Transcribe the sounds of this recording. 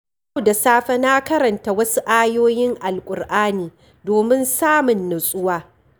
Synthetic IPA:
da˨saː˦ɸɐ˦na˦kɐ˦ɾɐ˨nta˨wɐ˦su˦ʔaː˦joː˦jɪ˦ŋʔa˨lkʷʼʊ˨rʔaː˦niː˨ | doː˨mɪ˦nsaː˦mʊ˨nːʊ˨sʼʊ˦waː˦

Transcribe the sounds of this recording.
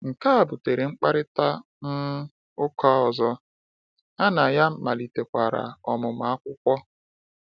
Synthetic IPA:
ŋ̩˨ka˦a˨bʊ˨te˨ɾe˨ŋ͡m̩˦k͡pa˦ɾɪ˦ta˦ | m̩˦ | ʊ˦ka˦ɔ˨zɔ˦ | a˦na˨ja˦m̩˦ma˨li˨te˨kʷa˨ɾa̰˨ɔ˨mʊ˨m̩˨a˦kʷʊ˦kʷɔ˦

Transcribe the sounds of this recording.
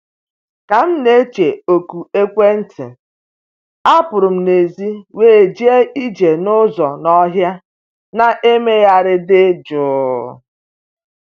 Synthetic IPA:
ka˨m̩˦ne˦t͡ʃe˨o˨ku˨e˦kʷe˦n̩˦tʰḛ˨ | a˦pʊ˨ɾʊ˨m̩˦ne˨zi˦weː˦˨d͡ʒi˦e˦ʔi˦d͡ʒe˨nʊ˦zɔ˨nɔ˦ɦja˦ | na˨ʔe˦me˦ja˦ɾɪ˦dɪ˦d͡ʒʊː˨˦˨

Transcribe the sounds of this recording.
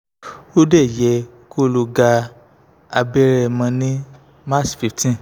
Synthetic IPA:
o˦dɛ˦˨jɛ˧ | ko˦lo˧ɡa˧ | a˧bɛ˦ɾɛ˧mã˧nĩ˦ | ma˦˨sfi˨˧ftĩ˦

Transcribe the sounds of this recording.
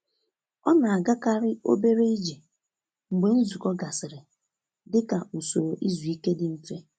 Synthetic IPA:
ɔ˦na˨a˨ɡa˦ka˦ɾɪ˦o̰˦be˦ɾe˦i˦d͡ʒe˨ | ŋ͡m̩˨ɡ͡be˨n̩˦zu˨kɔ˦ɡa˨sɪ˨ɾɪ˨ | dɪ˦ka˨u˨so˨ɾo˨ʔi˦zu˨i˦ke˦dɪ˨n̩˦fe˦

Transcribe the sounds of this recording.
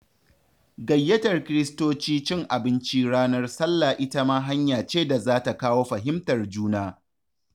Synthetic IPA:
ɡɐ˨jːɐ˦tɐ˨rkʲɪ˦ɾɪ˦stoː˦t͡ʃiː˦t͡ʃɪ˦ŋʔa˨bɪ˦nt͡ʃiː˦ɽaː˦nɐ˦rsɐ˦lːa˨ʔɪ˦ta˦maː˦ɦa˦ɲjaː˨t͡ʃeː˦da˨zaː˦ta˨kaː˦woː˦ɸɐ˨ɦɪ˦mtɐ˨rd͡ʒuː˦naː˦

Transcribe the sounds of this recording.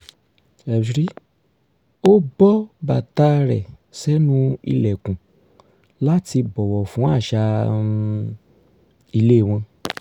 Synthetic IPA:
ɛ˨ɾi˦ | o˦bɔ˦ba˨ta˧˦ɾɛ˨ | sɛ˦nũ˦ḭ˧lɛ˨kũ˨ | la˦ti˧bɔ˨wɔ˨fũ˨˦a˦˨ʃa˧ | i˧le˦˨w̃ɔ̃˧

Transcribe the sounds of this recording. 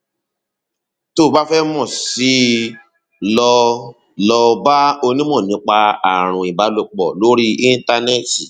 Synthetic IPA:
to˦˨ba˦fɛ˦mɔ̃˦˨si˨˦ | lɔ˧ | lɔ˧ba˦o˧nĩ˦mɔ̃˦˨nĩ˨˦k͡pa˧a˨ɾ̃ũ˨i˨ba˨˦lo˧k͡pɔ˨lo˦ɾi˦i˦n˦ta˧nɛ˦˨ti˨

